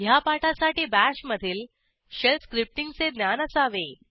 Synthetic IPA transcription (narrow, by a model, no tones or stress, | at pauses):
japaʈʰasaʈiːbæɕməd̪ʱiːl | ɕelskɾip̚ʈiŋɡt͡sed̪njanəsaʋe